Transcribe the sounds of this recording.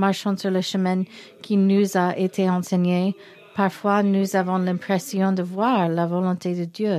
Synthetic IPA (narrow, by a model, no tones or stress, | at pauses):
maʁʃɑ̃syʁləʃəmɛ̃n | kʰinuzaʔet̪ʰeɑ̃sɛɲe | paʁfwanuzavɔ̃lɛ̃pχɛsjɔ̃d̪əvwaʁlavɔlɔ̃t̪ed̪əd̪jø